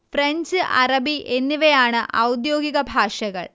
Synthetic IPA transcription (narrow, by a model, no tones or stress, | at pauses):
freɲd͡ʑɨʔɐ̰rɐbiʔe̞nːiʋejaːɳɨʔɐwd̪jo̞ːɡiɣɐbʱaːʂɐɣɐ̰ɭ